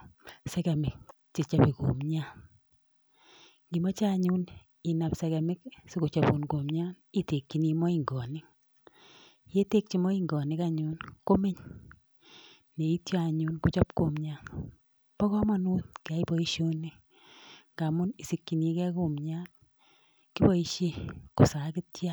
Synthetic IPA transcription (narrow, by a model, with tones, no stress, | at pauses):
sɛ˦kɛ˨mɪ˨k̚ | si˨t͡ʃa˦pi˨ko̰˨mɲa˦n | ŋɡi˨mɔ˦t͡ʃa˦ɲu˦n | i˨na˨psɛ˨kɛ˨mɪ˦k̚si˦ko˨t͡ʃɔ˨bu˨nɡo˨mɲa˦ni˦te˨kːi˨ni˧mɔ˦iŋɡɔ˨ni˦ | je˦te˦k̚t͡ʃi˦mɔ˦i˦ŋɡɔ˨nɪ˦ka˦ɲu˦nko˦me˦ɲ | ne˨i˦tja˦a˨ɲu˦nku˦t͡ʃɔ˦pko˨mɲa˦n | pɔ˦kɔ˦ma˦nu˦t̪̚ka˨i˦bɔ˦iʃo˦ni˦ | ŋɡa˨mʊ˦ni˨si˨kːi˨ni˧kɛ˦ko˨mɲa˦n | ki˦bɔ˦iʃe˦ko˨sa˨ki˦tja˦